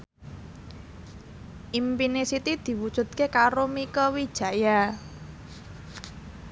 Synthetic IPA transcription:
ʔimpinisit̪id̪̥i̤wud̥ʒ̥ṳt̪̚kekaɾomikəwid̥ʒ̥ä̤ja

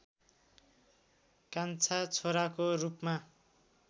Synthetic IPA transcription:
kant͡sʰat͡sʰoɾakorupma

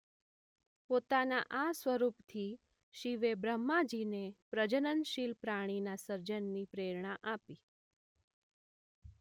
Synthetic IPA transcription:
pot̪anaʔasʋəɾupt̪ʰi | ʃiʋebɾəmːad͡ʒinepɾəd͡ʒənənʃilpɾaɽ̃inasəɾd͡ʒənːipɾeɾɳaʔapi

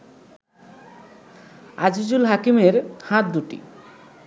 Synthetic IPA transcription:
ad͡ʑid͡ʑulɦakimeɾhãt̪̚d̪uʈḭ

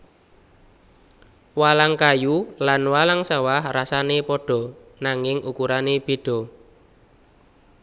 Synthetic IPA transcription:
walaŋkajulanwalaŋsawahrasanepɔɖ̥ɔ̤ | naŋɪŋʔukuɾaneb̥e̤ɖ̥ɔ̤

